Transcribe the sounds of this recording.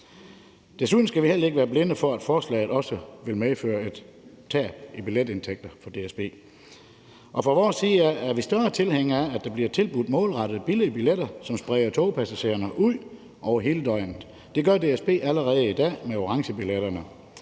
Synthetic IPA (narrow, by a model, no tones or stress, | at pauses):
d̥esuð̰ˠn̩sɡ̥æʋihel̰ɐe̝ɡ̥əʋæːɐble̝nəfɒ̽æd̥fɒːslɛ̰ːð̩ˠɒ̽səʋe̝lmefø̰ːɐe̝d̥ | t͡sʰɛ̰ːb̥ib̥iled̥e̝nt͡sʰeɡ̥̚d̥ɐfɒ̽d̥e̝esb̥e̝̰ː | ʔɒ̽fʁɒʋɒːsːiːææɐʋisd̥ɶɐt͡sʰe̝lheŋ̰ɐææd̥ɑ̈b̥liɐt͡sʰe̝lb̥ud̥mɔːlʁɑ̈ɾ̥ð̩ˠb̥iləbiled̥ɐsɒ̽msb̥ʁɛːɪɐt͡sʰoʊpʰæsæɕe̝̰ːɐnəʔuð̰ˠ | ʔɒʊɐɦe̝ːləd̥ɒ̽ɪnn̩ˠ | d̥e̝ɡ̥ɶɐde̝esb̥e̝̰ːæləʁɛːð̩ˠid̥ɛ̰ːmeo̝ʁɑ̈ŋɕəb̥ileɾ̥ɐnə